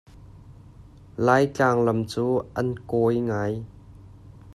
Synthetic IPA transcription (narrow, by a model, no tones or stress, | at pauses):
laːjt͡ɬaːŋlɐmt͡suːʔɐnkɔjŋaːj